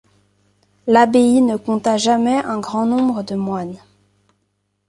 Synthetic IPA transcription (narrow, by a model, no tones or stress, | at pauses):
labeinəkɔ̃t̪aʒamɛʔɛ̃ɡʁɑ̃nɔ̃bʁəd̪əmwan